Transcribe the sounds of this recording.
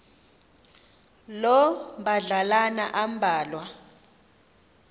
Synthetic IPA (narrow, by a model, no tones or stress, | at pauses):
lɔbaɮalanaʔambʱaːlwa